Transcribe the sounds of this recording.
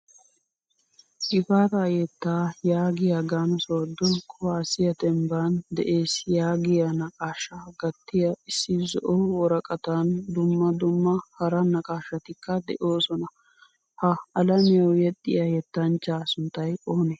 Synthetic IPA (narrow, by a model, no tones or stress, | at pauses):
ʔɪfaːt̪ajɛt̪ːaːjaːɡɪjaɡaːnsoːd̪ːɔkʰʊwaːsɪjɐt̪ɛmbaːnd̪ɛʔe̞ːsjaːɡɪjɐnɐkʼaːʃɐɡɐt̪ːɪjɐɪsːɪzɔ̰ʔɔwɔɾɐkʼɐt̪and̪ʊmːɐd̪ʊmːɐhɐɾɐnɐkʼaːʃːɐt̪ɪkːɐd̪ɛʔo̞ːsɔnɐ | hɐɐlɐmɪjɐwjɛt̪ʼːɪ̰jɐjɛt̪ːɐnt͡ʃːaːsʊnt̪ːɐjʔoːnɛ